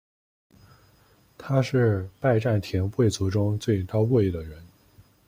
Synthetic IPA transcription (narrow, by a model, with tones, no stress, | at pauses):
t̪ʰa˥ʂɻ̩˥˧pa˥˧ɪʈ͡ʂa˥˩nt̪ʰjɛ˧˥nxwe˥˩ɪt͡su˧˥ʈ͡ʂʊ˥ŋt͡swe˥˩ɪt̪ɑ˥ʊwɔ˥˩i˧˩d̪ə˩ɻə˧˥n